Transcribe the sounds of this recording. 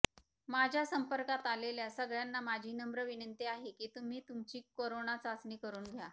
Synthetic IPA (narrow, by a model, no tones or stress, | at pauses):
mad͡ʑʱjasəmpəɾkat̪aleljasəɡɭjanːamad͡ʑʱiːnəmbɾəʋinənt̪iaɦekiːt̪um̤iːt̪umt͡ɕiːkoɾonat͡səsniːkəɾuːnɡʱja